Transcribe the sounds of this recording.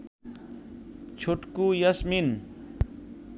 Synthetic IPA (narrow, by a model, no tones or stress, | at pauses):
t͡ʃʰoʈkujʌsmin